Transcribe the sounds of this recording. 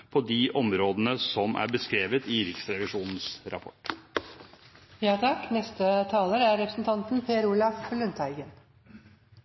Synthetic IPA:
pʰɔd̪iʔɔmɾoːd̪ənəsɔmʔæ̰ɾbəskɾeːʋət̪ɪɾɪksɾɛʋɪʂuːnn̩sɾɑ̰pʰɔ̰ʈ | jɑːt̪ʰɑknɛst̪ət̪ʰɑːləɾəæɾɾɛpɾəsnt̪ʰɑnt̪n̩pʰeːəɾuːlɑflʉnt̪ʰæɪɡən

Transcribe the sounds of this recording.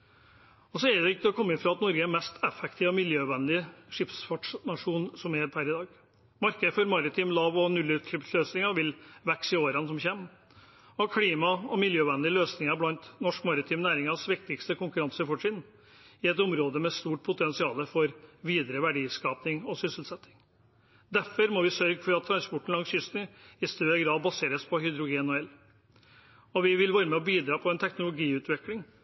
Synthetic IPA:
ɔsɔɛɾd̪ɛɪkːəɔkʰɔmːɪfɾɑːɑt̪nɔɾɡəɛmɛst̪ʰɛfɛk̚t̪ʰiːʋɔmɪljøːʋɛnd̪ɪʂɪpsfɑʈʂnɑʂuːnsɔmɛpʰæɾɪd̪ɑːɡ | mɑɾkəd̪fɔɾmɑɾɪt̪ʰiːmlɑːʋɔnʉlʉːt̪ʰɪpsløːsnɪŋɑʋɪlʋɛksɪoːɾɑnsɔmçɛːm | ɔɑkʰɽiːmɑɔmɪljøːʋɛnd̪ɪløːsnɪŋɑblɑnt̪nɔʂkmɑɾɪt̪ʰiːmnæːɾɪŋɑsʋɪk̚t̪ɪkst̪əkʊŋkʉɾɑnsəɾfɔʈʂɪːd̪n | ɪɛt̪ʊmɾoːd̪əmɛst̪uːʈ̚pʰʊt̪ʰɛnsɪɑːləfɔɾʋiːd̪ɾəʋæɖiːskɑːpnɪŋɔsʏsəl̩sɛt̪ːɪŋ | d̪æfɔɾmɔʋɪsœɾɡfɔɾɑt̪ʰːɾɑnspɔʈɳ̩lɑŋsjʏst̪nɪɪst̪øːəɡɾɑːd̪̚bɑseːɾəspʰɔhʏd̪ɾʊɡeːnɔɛl | ɔʋɪʋɪlʋæːɾəmɛɔbiːd̪ɾɑːpʰɔɛnt̪ʰɛknʊlʊɡiːʉːt̪ʰʋɛklɪŋ

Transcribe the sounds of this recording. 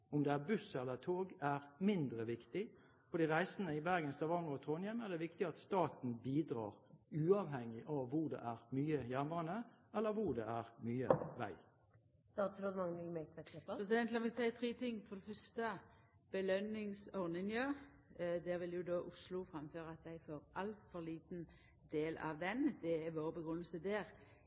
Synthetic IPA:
ʊmd̪ɛæbʉsɛlːət̪ʰoːɡæʁmɪnd̪ɾəʋɪkt̪ɪ | fɔd̪iːʁæɪsənəɪbæɾɡənst̪ɑʋɑŋɔt̪ʰʁonjɛmæʁd̪ɛʋɪkt̪ɪɑt̪st̪ɑːt̪n̩biːd̪ɾɑ̰ːʁʉːɑʋɦɛŋːɪʔɑʋːʊʁɖ̪ɛ̰ʔæʁmyːəjæməənə | ɛlːəʋʊʁd̪ɛæʁmyːəʋæ̰ɪ | st̪ɑːt̪sɾoːd̪mɑŋnlmɛkʋɛɛpɾɛsɪd̪ɛnlɑmɛsæɪt̪ʰʁiːt̪ʰɪŋːfɔʁd̪ɛfœst̪ə | b̥əlœnɪŋsɔʁnɪnjøː | d̪ɛːɾʋɪljʊd̪oːʔʊslʊfɾɑmføːɾəɑt̪̚d̪æɪfoːɾɑlt̪fɔliːt̪n | d̪eːlɑ̰ʋd̪ɛnd̪ɛæʋoːʁbəɡʁʉnːəl̩səd̪eːʁ

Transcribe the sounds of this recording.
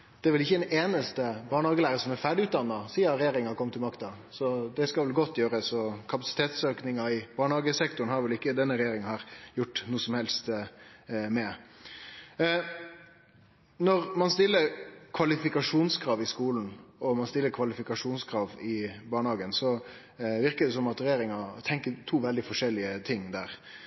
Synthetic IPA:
d̪̥ɛʋɪlɪçːəɛnʔeːnəst̪əbɑːɳhɑːɡəlæːɾəsɔmɛɾfæːɖɪʉːt̪̚d̪ɑnːɑsiːɑɾɛjeːɾɪŋhɑɾkʰɔmət̪ʰːɪmɑkt̪ɑ | sɔd̪ɛskɑʋɛlɡɔt̪ʰːjøːɾəsɔkʰɑpɑsɪ̥t̪ʰeːt̪søːknɪŋɑɪb̥ɑːɳhɑːɡəsɛkt̪ʊn̩hɑɾʋɛlɪkːəd̪ɛnːəɾɛjeːɾɪŋhɑːɾjʊʈːnuːəsɔmhɛlst̪ | mɛ | nɔɾmɑnst̪ɪlːəɾkʰʋɑlɪfɪkɑʂuːnskʰɾɑːʋɪskuːln̩ɔmɑnst̪ɪlːəɾkʰʋɑlɪfɪkɑʂuːnskʰɾɑːʋɪbɑːɳəhɑːɡənsɔ | ʋɪɾkəd̪ɛsɔmɑt̪ɾɛjeːɾɪŋɑt̪ʰɛŋkət̪ʰuːʋɛld̪ɪfɔʂɛlːɪət̪ʰɪŋːd̪æːɾ

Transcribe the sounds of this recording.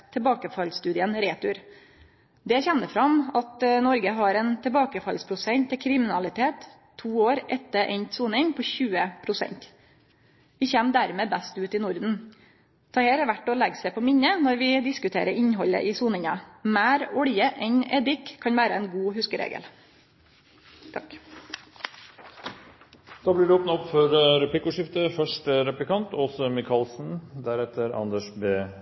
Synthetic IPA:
t̪ʰɛbɑːkəfɑlst̪ʉːd̪ɪənɾeːt̪ʉɾ | d̪ɛçɛnːəfɾɑmɑt̪nɔɾɡəɦɑɾɛnt̪ʰɛbɑːkəfɑlspʰɾʊsɛnt̪ʰːɪkʰɾɪmɪnɑlɪt̪ʰeːt̪ʰː | uːoːɾʔɛt̪ːəɾʔɛ̰nsuːnɪŋpʰɔçʉːəpʰɾʊsɛ̰nt̪ | ʋɪçɛmd̪æɾmeːbæst̪ʉːt̪ɪnʊɾd̪n̩ | t̪ʰɑːheːɾɛʋæʈːɔlɛɡsɛpʰɔmɪɲːənɔɾʋɪd̪ɪskʉt̪ʰeːɾəɾɪɲɦɔlə̰ʔiːsuːnɪŋɑmæːɾɔɽɪjəʔɛɲɛːd̪ɪkʰːɑɲʋæːɾəɛːnɡuːhʉskəɾḛːɡə̰l | t̪ʰɑk | d̪̥ɑːblɪːɖɛoːpnɑɔpfɔɾɾɛpʰlɪkʊʂɪft̪əfœʂʈəɾɛplɪkɑnt̪ɔsɔmɪkʰɑlsn̩d̪æɾɛt̪ʰəɾɑ̰nd̪əʂbeː

